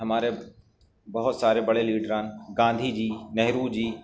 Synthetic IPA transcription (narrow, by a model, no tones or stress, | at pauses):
ɦɐmaːɾe | bɐɦʊt̪saːɾebɐɽeliːɖɾãːnɪ̆ɡãːnd̪ʱid͡ʑiːnɐɦɾud͡ʑiː